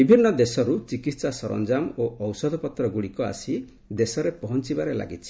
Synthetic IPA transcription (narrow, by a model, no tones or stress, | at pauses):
bibʱinːɔd̪esɔɾut͡ʃikit̪sasɔɾɔ̰nd͡ʒamoɔwsɔd̪ʱɔpɔt̪ɾɔɡuɽikɔa̰si | d̪esɔɾepɔɦɔnt͡ʃibaɾela̰ɡit͡ʃʰi̥